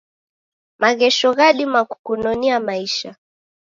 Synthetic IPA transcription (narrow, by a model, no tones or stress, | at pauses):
maɣɛʃɔɣaɗimaku̥kunɔniamaiʃa